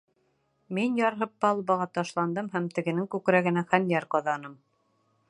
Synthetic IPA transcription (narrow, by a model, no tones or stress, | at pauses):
minjɑɾɦɤp̚ːɑlˠbɑʁɑt̪ɑʃlˠɑnd̪ɤmɦæmt̪ɘ̆ɡɘ̆nɘŋkʉkɾæɡɘ̆næχænjæɾqɑðɑnɤm